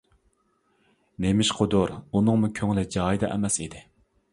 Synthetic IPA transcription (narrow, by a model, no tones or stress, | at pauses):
nemɪʃqʰʊd̪ʊɾunɨŋmukʲʰøŋlɪd͡ʒɑːjd̪ɑ̰ʔɛ̰mɛsid̪ɪ